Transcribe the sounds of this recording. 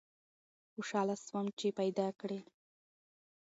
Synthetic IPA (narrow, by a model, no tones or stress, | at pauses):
xʊʂɑlaswamt͡ʃepajd̪ɑkɽe